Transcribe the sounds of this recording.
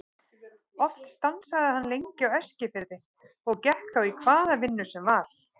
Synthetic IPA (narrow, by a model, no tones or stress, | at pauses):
ɔft̪st̪ansaðɪhanːlejɲcɪawɛscɪfɪɾðɪ | ɔɣcɛhkθawikʰvaːðavɪnːʏsɛmvaɾ̥